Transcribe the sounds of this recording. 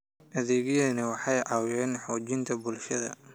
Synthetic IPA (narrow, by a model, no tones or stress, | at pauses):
ʔɐðɛːɣjɛːnɪwɑħɑjʔɑwjɛːnħɔːt͡ʃɪnt̪ʰɐbʊlʃɐðɐ̰